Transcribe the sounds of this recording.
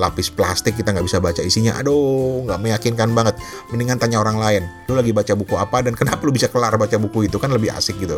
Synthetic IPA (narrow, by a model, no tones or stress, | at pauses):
lapɪsplast̪ɪkːit̪aŋɡaʔbisabat͡ʃaisiɲaʔa̰doŋɡaʔməjakɪnkanbaŋət̪̚ | məniŋant̪aɲaoɾaŋlaɪnlulaɡibat͡ʃabukuapadankənapalubisakəlarbat͡ʃabukuit̪ukanləbɪha̰sɪk̚ɡit̪u